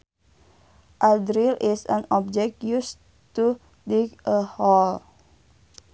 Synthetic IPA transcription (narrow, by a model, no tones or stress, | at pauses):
ʔadɾilʔisãnɔb̚d͡ʒɛk̚tjus | t̪u | dikʔəhɔl